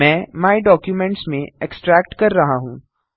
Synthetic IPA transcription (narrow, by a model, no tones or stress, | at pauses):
ɛ̃ːmaːiɖɔːkjumɛ̃ɳʈsmẽeksʈɾɛːk̚ʈkɐɾːɐɦaɦṵ̃ː